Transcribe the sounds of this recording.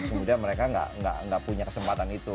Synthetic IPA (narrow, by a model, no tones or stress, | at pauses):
kəmudianməɾekaŋɡa̰ʔŋɡa̰ʔŋɡaʔpuɲakəsəmpat̪anit̪u